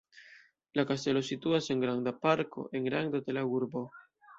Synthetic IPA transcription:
lakast̪elosit̪uaseŋɡɾaŋd̪apaɾko̰ʔeŋɡɾaŋd̪ot̪elaɡuɾbo

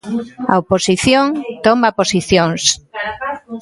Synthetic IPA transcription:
ɐoposiθjoŋt̪omaposiθjoŋs

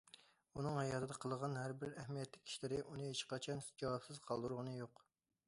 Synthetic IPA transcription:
unɨŋhɛjɑt̪ʰɨd̪ɑqʰəlˠəʁɑnhæɾbɪɾæhmijɛt̪lɪkʲʰːi̥ʃlɪɾɪʔunɨɦeʃqɑt͡ʃʰɑnd͡ʒɑwɑpsɪz̥qʰɑlˠd̪uɾʁənɨjoq

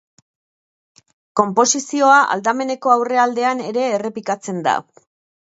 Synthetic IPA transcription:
ko̞mpo̞sisio̞aʔa̰ld̪ame̞ne̞ko̞awre̞ald̪e̞ane̞ɾe̞ːre̞pikat͡se̞nd̪a̰

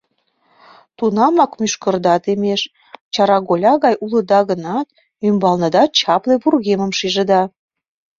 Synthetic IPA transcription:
t̪unɑmɑkmyʃkə̆rd̪ɑt̪emeʃ | t͡ɕɑɾɑɣolʲɑɣɑjʔulə̆d̪ɑɣənɑt̪ | ymbɑlnɤ̆d̪ɑt͡ɕɑpleβurɣeməmʃiʒəd̪ɑ

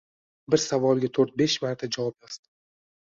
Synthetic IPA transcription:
bɪɾsavɒlˠɡʲat̪ʰoɾt̪̚be̞ʃmaɾt̪ʰad͡ʒavɒp̚jɒzd̪ɪ̥

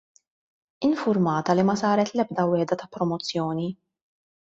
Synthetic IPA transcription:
ɪnfʊɾmɐːt̪ɐlimɐsɐːɾɛt̪lɛb̚d̪ɐwɛːd̪ɐt̪ɐpːɾɔmɔt͡sːjɔːni

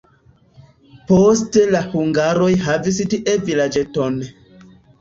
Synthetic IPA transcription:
postelahuŋɡaɾo̞jɦavis̬tiʔevilad͡ʒeton

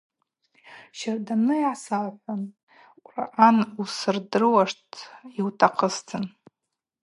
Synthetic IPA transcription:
ʃardanɨjʕasalħʷan | ra̰ʔanusɨrdɨrɨwaʂtʰiwtʰaqʰəstʰɨn

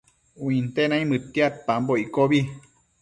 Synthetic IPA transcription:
wĩnt̪enaĩmɨt̪ːiat̪̚pamboikoβi

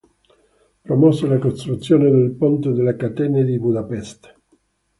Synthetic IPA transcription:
pɾomɔselakost̪ɾut̪sːjoːned̪elpont̪ed̪elːakat̪ɛːned̪ibud̪apɛst̪

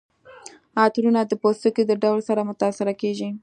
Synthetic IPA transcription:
ɑt̪ɾunad̪əpost̪əked̪əɖawlsaɾamʊt̪ɑsɪɾakeʒi

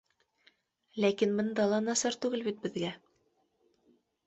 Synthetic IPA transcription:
lækinbɤ̆nd̪ɑlˠɑnɑsɑɾt̪ʉɡɘlbit̪̚bɘ̆ðɡæ

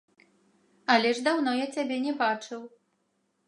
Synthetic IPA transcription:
ɐlʲɛʐd̪awnɔjat͡sʲabʲɛnʲɛbat͡ʂɨw

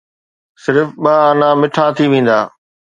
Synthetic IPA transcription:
sɪɾfɓaaːnãmɪʈʰat̪ʰiʋẽːn̆d̪aː

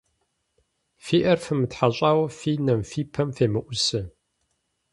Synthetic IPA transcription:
fiːʔɐrfɨmɨtħaɕʼaːwɐfiːnɐmfiːpʰɐmfeːmɨʔʷʊsɨ

